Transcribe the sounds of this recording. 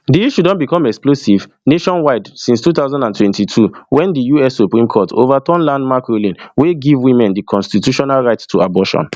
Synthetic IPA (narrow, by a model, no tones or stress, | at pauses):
diiʃudɔ̃nbikɔ̃mɛksplosiv | neʃɔ̃nwaɪdsĩnstuθaʊzãndãntwɛ̃ntitʰuwɛ̃ndijuɛsːupɹĩmkʰɔtʰo̰vatɔ̃nlãndmakɹolĩnweɡivwĩmɛ̃ndikʰɔ̃nstitjuʃɔnalɹaɪtstʰuabɔʃɔ̰̃n